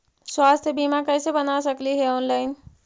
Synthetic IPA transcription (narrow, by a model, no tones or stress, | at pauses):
swast̪ʰjəbimakəjsebənasəkliɦeɔnlaɪn